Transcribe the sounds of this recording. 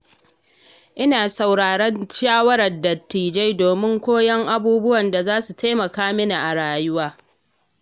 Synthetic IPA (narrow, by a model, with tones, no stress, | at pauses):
ʔɪ˦naː˨sa˨wɽaː˨ɽɐ˦nʃaː˦wɐ˦ɾɐ˨rdɐ˨tːiː˨d͡ʒe˦jdoː˨mɪ˦ŋkʷoː˦jɐ˦ŋʔa˦buː˦bʊ˦wɐ˨nda˨zaː˦su˨tʰa˦mɐ˨kaː˦mɪ˦na˨ʔa˨ɽaː˨jʊ˦waː˦